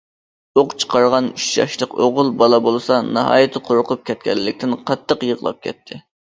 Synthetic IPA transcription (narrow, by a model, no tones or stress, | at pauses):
oqt͡ʃʰə̥qʰɑɾʁɑnyt͡ʃjɑ̰ʃlˠəqoʁʊlˠbɑlˠɑbolˠsɑnɑɦɑ̰ːjɨt̪ʰɨqʰoɾqʰʊp̚kʲʰɛt̪̚kʲɛ̰lːɪkʲt̪ɪnqʰɑt̪ʰːəqjəʁlˠɑ̰p̚kʲʰɛ̰t̪ʰːɪ